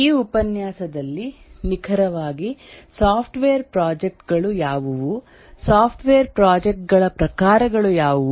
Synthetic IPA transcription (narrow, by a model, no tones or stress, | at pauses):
iːupɐnjaːsɐd̪ɐlːinikʰɐɾɐʋaːɡisaːpʰʈʋeːɐɾpɾaːd͡ʒek̚ʈɡɐɭujaːʋuʋu | saːpʰʈʋeːɐɾpɾaːd͡ʒek̚ʈ̚ɡɐɭɐpɾɐkaːɾɐɡɐɭujaːʋu